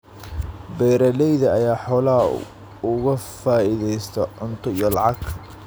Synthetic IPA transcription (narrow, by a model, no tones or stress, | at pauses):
bɛjɾɐlɛjðɐɐjaːħɔːla | ʊɣɐfaːiðɛjst̪ʰɛʕʊnt̪ʰʊijɔlɑʕɑɡ